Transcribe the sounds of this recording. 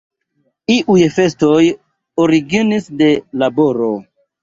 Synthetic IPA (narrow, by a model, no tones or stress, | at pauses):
iʔujfe̞sto̞j | oɾiɡinisde̞labo̞ɾo